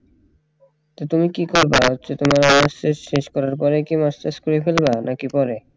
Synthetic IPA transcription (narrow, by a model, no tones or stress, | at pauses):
t̪ot̪umikikoɾbaot͡ɕet̪omaɾɔnaseʃʃeʃkɔɾaɾpɔɾekimast̪askoɾifelbanakipɔɾe